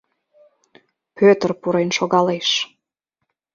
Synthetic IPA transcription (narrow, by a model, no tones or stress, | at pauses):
pøt̪ərpuɾenʃoɣɑleʃ